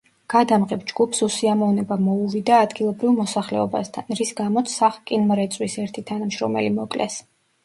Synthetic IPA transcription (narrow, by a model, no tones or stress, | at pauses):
ɡ̥ad̪amʁɛpd͡ʒɡ̥upʰsusiamɔvnɛbamɔuvid̪aːd̪ɡilˠɔbɾivmɔsaχlɛɔba̰st̪ʰanɾisɡamɔt̪sʰaχkʼinmɾɛt̪sʼwisɛɾt̪ʰit̪ʰanamʃɾɔ̰mɛ̰limɔkʼlʔɛ̰s